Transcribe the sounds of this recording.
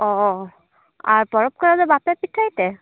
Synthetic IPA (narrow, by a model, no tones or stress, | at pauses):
ɔ | a̰ɹpɔɹɔp̚kɔɹabɛbapapitʰːajt̪ɛ